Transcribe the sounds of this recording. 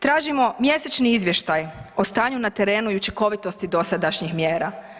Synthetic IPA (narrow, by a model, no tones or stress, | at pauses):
t̪ɾaːʒimo̞mje̞set͡ʃniizʋje̞ʃt̪ajo̞st̪aːɲunat̪e̞ɾe̞ːnuiut͡ʃiko̞ʋit̪o̞st̪id̪o̞sad̪aʃɲixmjeːɾa